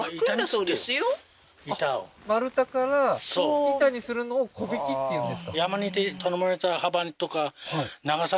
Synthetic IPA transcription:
itasod̪esjo | itamaɾɯ̟t̪akaɾasoit̪aɲisɨɾɯnoːkʰobikʲit̪ːejɯ̃nd̪esɨ̥kajamanit̪et̪ʰɔnɔmoɾetahabanit̪okahanaɡasa

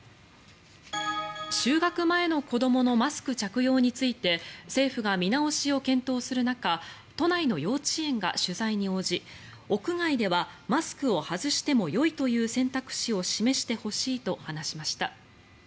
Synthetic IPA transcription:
ɕɨːɡakɯ̟mae̞no̞ko̞d̪o̞mo̞no̞masɨ̥kɯ̟t͡ɕakɯ̟jo̞ːɲ̟it͡sɨit̪e̞se̞ːɸɯ̟ɡamʲinao̞ɕio̞kẽ̞nt̪o̞ːsɨɾɯ̟naka | t̪o̞naino̞jo̞ːt͡ɕiẽ̞ŋɡa̰ɕɨzaiɲ̟io̞ːʑi | o̞kɯ̟ŋaid̪e̞βamasɨ̥kɯ̟o̞hazɨɕi̥t̪e̞mo̞jo̞it̪o̞jɯ̟ːsẽ̞nt̪akɯ̟̥ɕio̞ɕime̞ɕi̥t̪e̞ho̞ɕiːt̪o̞hanaɕimaɕi̥t̪a

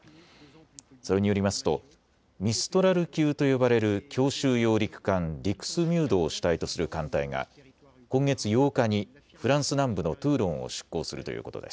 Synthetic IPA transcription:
soɾe̞ɲ̟ijo̞ɾʲimasɨ̥t̪o̞̰ | mʲisɨ̥t̪o̞ɾaɾɯ̟kʲɨːt̪o̞jo̞baɾe̞ɾɯ̟kʲʰo̞ːɕɨːjo̞ːɾʲikɯ̟̥kãnɾʲikɯ̟̥sɨmʲjɨːd̪o̞ːɕi̥t̪ait̪o̞sɨɾɯ̟kãnt̪aiŋa̰ | kõ̞ŋɡe̞t͡sɨjo̞ːkaɲ̟i | ɸɯ̟ɾãɰ̃sɨnãmbɯ̟no̞t̪ɯːɾõ̞ɰ̃o̞̰ɕi̥kːo̞̰ːsɨɾɯ̟t̪o̞jɯ̰ːko̞t̪o̞d̪e̞sɨ̥

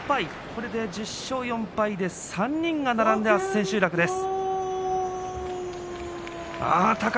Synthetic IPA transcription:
pai | ko̞ɾe̞d̪e̞d͡ʑɨɕːo̞ːjõ̞mpaid̪e̞sãɲ̟ːĩŋɡanaɾãnd̪e̞βḁsẽ̞ɕɨːɾakɯ̟d̪e̞sɨ̥ | a̰t̪ak

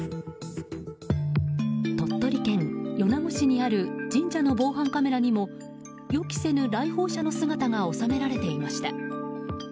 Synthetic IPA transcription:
t̪o̞t̪ːo̞ɾʲikẽ̞ŋjo̞namo̟ɕiɲ̟iaɾɯ̟d͡ʑĩɲ̟d͡ʑano̞bo̞ːɦãŋkame̞ɾaɲ̟imo̞ | jokʲi̥se̞nɯ̟ɾaiho̞ːɕano̞sɨɡat̪aŋao̞same̞ɾaɾe̞t̪e̞imaɕi̥t̪a

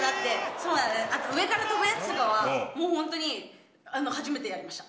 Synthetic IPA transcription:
d̪at̪ːe̞so̞ːnãnd̪esat̪oɯ̟e̞kaɾat̪obojat͡sɨ̥t̪okaβamo̞ːhõnt̪o̞ɲ̟i | ano̞haʑime̞t̪e̞jaɾimaɕi̥t̪ḁ

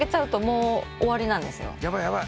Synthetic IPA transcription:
e̞t͡ɕaɯ̟t̪o̞mo̞ːoβaɾʲinãnd̪e̞sɨjo̰jabajaba

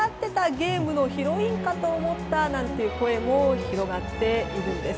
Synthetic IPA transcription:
at̪ːe̞t̪aɡe̞ːmɯ̟no̞çiɾo̞ĩŋkat̪o̞ːmo̞t̪ːanãnt̪e̞jɯ̟ko̞e̞mo̞çiɾo̞ɡat̪ːe̞iɾɯ̟̃nd̪e̞s

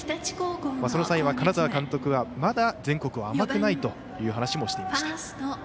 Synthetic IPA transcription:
t̪at͡ɕi̥koːkomasoosaiβakanazaβakãnt̪o̞kɯ̟βamad̪azẽŋko̞kɯ̟βaːmakɯ̟nait̪o̞ | jɯ̟ːɦanaɕimo̞ɕi̥t̪e̞imasia | t̪

